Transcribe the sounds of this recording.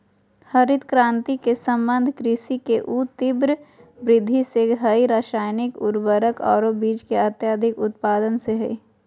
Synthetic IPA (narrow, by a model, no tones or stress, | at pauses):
həɾɪd̪kɾãːnt̪ikesə̃mbə̃nd̪ʱkɾɪsikeʔuːt̪ɪbɾbɾɪd̪ʱːiseɦɐiɾaːʃaːjnɪkʊɾbəɾəkɔ̰ːɾobiːd͡ʒkeət̪jaːd̪ʱɪkʊt̪paːd̪ənseɦɛi